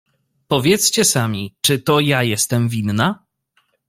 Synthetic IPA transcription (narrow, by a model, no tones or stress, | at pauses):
pɔvʲjɛt̪st͡ɕɛsamʲit͡ʂɘt̪ɔjajɛst̪ɛmvʲinːa